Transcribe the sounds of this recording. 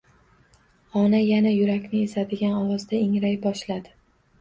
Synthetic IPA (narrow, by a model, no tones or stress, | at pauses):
ɒnajanajʊɾakʲnɪːsad̪ɪɡʲanɒwɒzd̪aɪŋɾajbɒʃlad̪ɪ